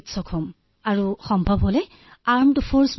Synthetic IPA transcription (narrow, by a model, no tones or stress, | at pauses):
tsɔkʰɔm | aɹuxɔmbʱɔbɦolɛ | aɹmtufʰoɹs